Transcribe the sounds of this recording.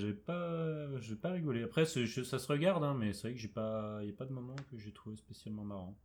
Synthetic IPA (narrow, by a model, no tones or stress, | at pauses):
ʒavɛpaʒavɛpaʁiɡɔleapχɛsɛʒəsasəʁəɡaʁd̪ɛ̃mɛsɛvʁɛkəʒɛpailjapad̪əmɔmɑ̃kəʒɛt̪χuvespesjalmɑ̃maʁɑ̃